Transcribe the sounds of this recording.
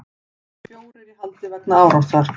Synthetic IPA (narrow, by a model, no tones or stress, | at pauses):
fjoːwɾɪɾɪhalt̪ɪvɛknaaːwɾawsaɾ̥